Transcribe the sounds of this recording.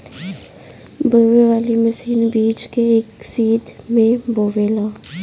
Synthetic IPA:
bəweʋaːliməsiːnbiːt͡ʃkeɪksiːt̪mẽboːweːlaː

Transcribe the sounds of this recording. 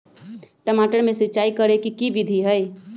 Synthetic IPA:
ʈəmaːʈəɾmẽsɪtːt͡ʃaːikəɾekikiʋɪd̪ʱiɦəj

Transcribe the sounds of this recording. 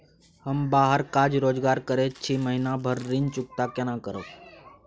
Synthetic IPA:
həmbaːɦəɾkad͡ʒɾoːd͡ʒɡaːɾkəɾet͡ʃʰiməɦinabʱəɾːɪnt͡ʃʊk̚t̪akənãkəɾət̪

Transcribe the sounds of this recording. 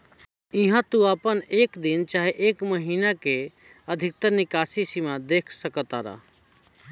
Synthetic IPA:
iɦãt̪uaːpəneːkd̪int͡ʃaːɦeʔeːkməɦiːnake | əd̪ʱɪk̚t̪əɾnɪkaːsisimad̪eːkʰsəkət̪a̰ːɾa̰ː

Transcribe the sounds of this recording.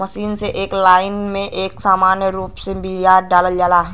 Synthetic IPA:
mɐʃiːnseʔeːklaːɪnmẽʔeːksaːmaːnjəɾuːpsebiijaːɾɖaːləld͡ʒaːlaːɦ

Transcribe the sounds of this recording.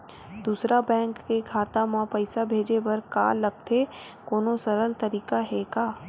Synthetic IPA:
d̪uːsɾabɛ̃ːŋkːekʰaːt̪amãpɐɪsabʱeːd͡ʒebɐɾka̰ːlɐɡ̚t̪ʰe | koːnosɐɾəlt̪ɐɾiːkaɦɛkaː

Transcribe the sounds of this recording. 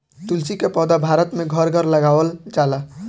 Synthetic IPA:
t̪ult͡ʃikepɔd̪abʱaɾət̪meɡʱəɾɡʱəɾləɡawəlt͡ʃala

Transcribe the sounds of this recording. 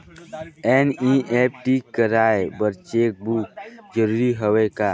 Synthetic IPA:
ɛnĩʔɛp̚ʈikəɾaebəɾt͡ʃek̚buk̚d͡ʒəɾuɾiɦəwejka

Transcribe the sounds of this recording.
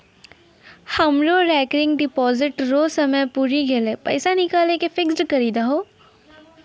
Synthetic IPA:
hɐmɾoɾɛːkɾɪ̃ŋɡɖɪpɔːzɪʈɾoːsɐməjpuːɾiɡelepɐ̰ɪsanɪkaːlekefɪksʈkɐɾiːd̪aɦoː

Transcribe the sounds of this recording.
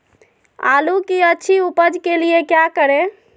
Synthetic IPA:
a̰lukiətːt͡ʃʰiupəd͡ʒkeliekjakəɾe

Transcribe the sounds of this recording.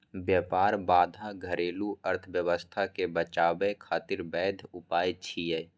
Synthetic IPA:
bjəːpaːɾbaːd̪ʱãɡʱəɾeːluəɾt̪ʰəbjəwəst̪ʰakebət͡ʃaːbekʰaːt̪ɪɾbɛːd̪ʱʊpaːjit͡ʃʰiɛː

